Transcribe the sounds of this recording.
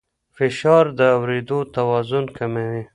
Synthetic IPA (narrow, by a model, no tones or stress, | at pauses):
fɪʃɑɾd̪əawɾed̪ot̪awɑzʊnkamawi